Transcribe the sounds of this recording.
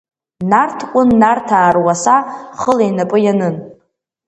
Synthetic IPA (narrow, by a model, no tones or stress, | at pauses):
nartʰkʷʼʊnːartʰaːrwasaχəlejnapʼɨjanɨn